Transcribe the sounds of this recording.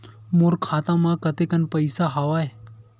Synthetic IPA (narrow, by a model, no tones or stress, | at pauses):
moɾkʰaːt̪ãmãkət̪ekənpəjsaɦaʋaːe